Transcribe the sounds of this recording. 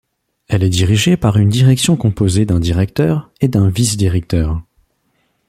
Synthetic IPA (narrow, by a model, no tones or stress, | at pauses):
ɛlɛd̪iʁiʒepaʁynd̪iʁɛksjɔ̃kɔ̃pozed̪ɛ̃d̪iʁɛk̚t̪œːʁed̪ɛ̃visd̪iʁɛk̚t̪œːʁ